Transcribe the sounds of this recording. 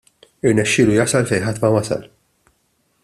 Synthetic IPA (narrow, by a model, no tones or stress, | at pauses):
ɪɾnɛʃːɪːlujɐsɐlfɛjħɐt̪ːmɐwɐsɐ̰l